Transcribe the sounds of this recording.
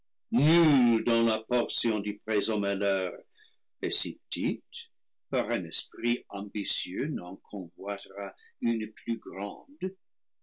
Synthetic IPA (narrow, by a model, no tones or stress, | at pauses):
nyld̪ɑ̃lapɔrsjɔ̃d̪yprezɔ̃mɛlœʁ | esipt̪it̪ | paʁɛ̃nɛspʁiɑ̃mbisjønɑ̃kʰɔ̃vwat̪ʁaynpʰlyɡrɑ̰̃d̪